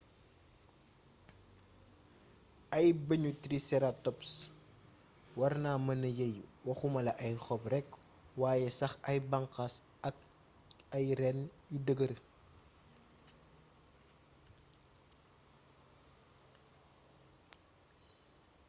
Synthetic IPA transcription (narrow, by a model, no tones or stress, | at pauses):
ɐjbəɲutɾisɛɾatɔps | wɐrnaːmɐnɐjejuwɐxumɐlɐʔɐjxɔprɛk | waːjɛsɐxɐjbɐŋqɐs | ɐk | ɐjɾɛnjudəɡəɾ